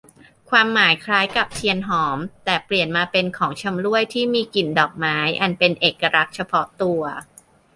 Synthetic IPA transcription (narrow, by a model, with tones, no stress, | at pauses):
kʰwaː˧mːaː˩˦jkʰɾaː˦˥jka˨˩p̚t͡ɕʰi˧ənɦɔː˩˦mt̪ɛː˨˩pli˨˩ənmaː˧pe˧nkʰɔː˩˦ŋt͡ɕʰa˧mɾu˥˩əjt̪ʰiː˥˩miː˧ki˨˩ndɔː˨˩k̚maː˦˥jʔa˧npe˧nʔeː˨˩kːa˧ɾʔa˦˥k̪̚t͡ɕʰa˧pʰɔ˦˥t̪u˧ɐ